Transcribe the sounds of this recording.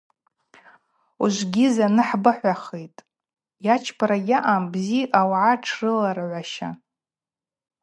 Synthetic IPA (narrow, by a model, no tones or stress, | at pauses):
uʒʷɡʲizanɨħbɨħʷaχejtʼ | jat͡ʃʰpʰaɾaɡʲaʔambziʔawʕaʈ͡ʂʰrɨlarʕʷaʃa̰